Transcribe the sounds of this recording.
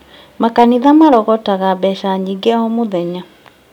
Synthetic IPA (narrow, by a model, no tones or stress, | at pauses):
makaniðamaɾɔɣɔtaɣaβɛʃaɲiɡeahɔmoðɛɲa